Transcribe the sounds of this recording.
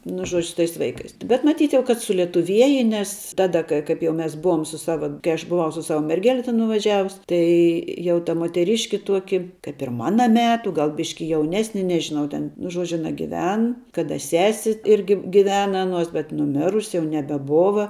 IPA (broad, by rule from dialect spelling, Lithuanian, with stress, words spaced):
nʊ ˈʒuɔd͡ʒʲʊ sʊ tɐɪs ˈʋɐɪkɐɪs bʲɛt mɐˈtʲiːt kɐt sʊlʲiɛtʊˈʋʲiɛjɛ nʲɛs ˈtɑːdɐ kɐ ˈkɐɪp jɛʊ ˈmʲɛs ˈbʊʋoːm sʊs ˈsɑːʋɐ kɐɪ ˈɐʃ bʊˈʋɐʊ sʊ ˈsɑːʋɐ mʲɛrʲˈɡʲæːlʲɛ tʲɛn nʊʋɐˈʒʲæːʋʊs ˈtɐɪ jɛʊ tɐ muɔtʲɛˈrʲɪʃʲkʲɪ ˈtuɔkʲɪ kɐɪp ɪr ˈmɑːnɐ ˈmʲæːtʊ ˈɡɐlˠ ˈbʲɪʃʲkʲɪ jɛʊˈnʲæːsʲnʲɪ nʲɛʒʲɪˈnɐʊ tʲɛn nʊ ˈʒuɔd͡ʒʲʊ ɐˈnɐ ɡʲɪˈʋʲɛn kɐˈdɐ ˈsʲæːsʲɪ ˈɪrʲɡʲɪ ɡʲɪˈʋʲæːnɐ ˈɑːnuɔs bʲɛt nʊˈmʲɪrʊsʲɪ jɛʊ nʲɛbʲɛˈboːʋɐ